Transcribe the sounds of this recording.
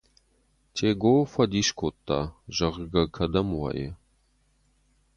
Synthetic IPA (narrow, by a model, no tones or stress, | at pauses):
tʰeɡoːfɐd̪iʃkʰot̪ːa̰ʒɐʁɡɐkʰɐd̪ɐmwa̰ːjḛ